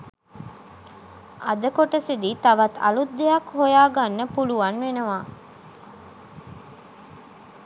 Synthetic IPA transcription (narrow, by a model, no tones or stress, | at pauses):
ɐd̪əkoʈəsid̪it̪aʋat̪a̰lud̪ːejakhojaːɡanːəpuluʋanʋenəʋaː